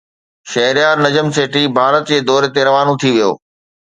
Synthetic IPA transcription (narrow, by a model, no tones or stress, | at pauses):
ʃɐɦɪɾijaːɾnɐd͡ʑəmseːʈibʱaːɾət̪d͡ʑeːd̪ɔːɾet̪eɾɐʋaːnõt̪ʰiʋijo̰ː